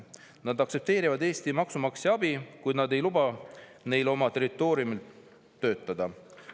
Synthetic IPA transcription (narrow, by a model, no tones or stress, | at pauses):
nɑd̪ɑkse̞p̚t̪e̞ːɾivɑd̪e̞ːst̪imɑksumɑkseɑbikujd̪nɑd̪e̞jlubɑ | ne̞jlo̞mɑt̪e̞ɾit̪ːˑo̞ːɾijumilː | ø̞ːt̪ːˑɑd̪̥ɑ